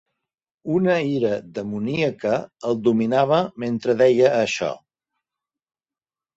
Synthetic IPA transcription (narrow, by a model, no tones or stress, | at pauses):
unəiɾəðəmuniəkəːlˠd̪uminaβ̞əment̪ɾəðɛjəːʃɔ̰